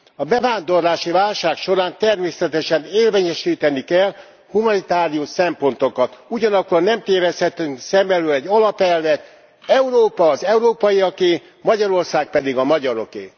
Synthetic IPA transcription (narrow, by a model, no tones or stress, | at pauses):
ɒbɛvaːnd̪o̞rlaːʃivaːlʃaːkʃo̞ɾaːnt̪ɛrmeːsɛt̪ɛʃɛneːrveːɲɛʃiːt̪ɛnikɛl | humɒnit̪aːɾijuʃsɛmpo̞nt̪o̞kɒt̪uɟɒnɒkːolnɛmt̪eːvɛshɛt̪ːyŋsɛmbɛlølɛɟɒlɒpɛlvɛt̪ | ɛuɾoːpɒːzɛuɾoːpɒjiɒkeː | mɒɟɒɾo̞rsaːk̚pɛd̪iɡɒmɒɟɒɾo̞kḛː